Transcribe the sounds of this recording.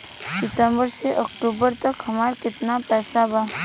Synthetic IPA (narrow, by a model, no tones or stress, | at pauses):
sɪt̪əmbəɾseʔɔkʈuːbəɾt̪əkɦəmaːɾkɪt̪napɛːsabaː